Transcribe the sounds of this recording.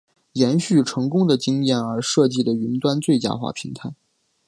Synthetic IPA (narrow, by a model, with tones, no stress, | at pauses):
jɛ˧˥nɕy˥˩ʈ͡ʂʰɤ˧˥ŋkʊ˥ŋd̪ə˨t͡ɕi˥ŋjɛ˥˩nə˞˧˥ʂɤ˥˧t͡ɕi˥˩d̪ə˩y˧˥nt̪wa˥nt͡swe˥˩ɪt͡ɕja̰˥xwa̰˥˩pʰi˧˥ŋt̪ʰa˥˩ɪ